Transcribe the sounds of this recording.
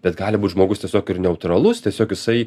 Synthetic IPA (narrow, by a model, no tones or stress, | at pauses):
b̥ʲɛt̪ɡɑːlʲɪbuːt̪ʒmoːɡʊstʲiɛsʲoːkɪɾnʲɛʊt̪ɾɐlˠʊst̪ʲiɛsʲoːkjɪsɐɪ